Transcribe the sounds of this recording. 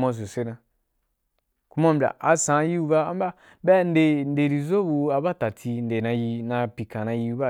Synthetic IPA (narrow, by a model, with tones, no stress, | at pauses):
ma˧zo˨se˦nã˧ | ku˦ma˦m˨bʲla̰˨ʔa˨sã˨˦ji˦u˧ba˦a˦m˦ba˦ | bɛ˦n˦de˧n˦de˨ɾi˧˨zo˦bu˧a˧ba˦˨ta˨tʰi˧n˨de˨nã˧ji˧nã˧pi˨kã˨nã˧ji˧u˧ba˦˨